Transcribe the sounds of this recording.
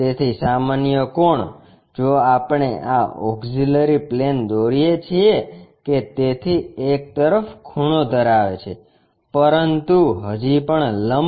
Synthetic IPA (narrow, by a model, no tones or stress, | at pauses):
t̪et̪ʰisamanjəkoɳ | d͡ʒoapəɳeʔaɔ̰ksiləɾiplend̪oɾijet͡ʃʰieket̪et̪ʰiek̚t̪əɾəfkʰuɽ̃od̪əɾaʋet͡ʃʰe | pəɾənt̪uɦəd͡ʒipəɳləm